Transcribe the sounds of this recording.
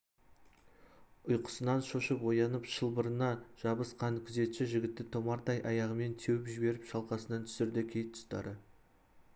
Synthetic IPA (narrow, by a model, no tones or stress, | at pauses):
ʊjqə̥sənɑnʃoʃəpwo̞jɑnəpʃəlˠbəɾənɑʒ̥ɑbəsqʰɑnkʲʰʏze̞t̪ʃɪʒɪɡʲɪt̪ːɪt̪ʰo̞mɑɾd̪ɑjʔɑjɑʁəme̞nt̪ʰewɪpʒɪbe̞ɾɪpʃɑlˠqɑsənɑnt̪ʰʏ̥sɪɾd̪ɪkʲʰe̞jt̪ʰːʊ̥st̪ɑ̰ɾə